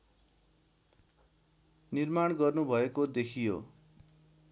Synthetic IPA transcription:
nirmaɳɡʌrnubʱʌekod̪ekʰijo̰

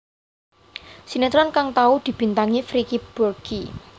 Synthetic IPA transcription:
sinet̪ɾankaŋt̪aud̪̥i̤b̥i̤nt̪aŋifɾikib̥urɡ̥i

